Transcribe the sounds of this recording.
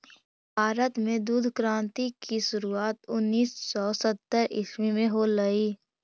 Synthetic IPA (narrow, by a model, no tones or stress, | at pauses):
bʱaːɾət̪mẽd̪uːd̪ʱkɾãːnt̪ikiʃʊɾuaːt̪ʊnːiːsːɔːsət̪ːəɾʔɪ̰smimẽɦoləiː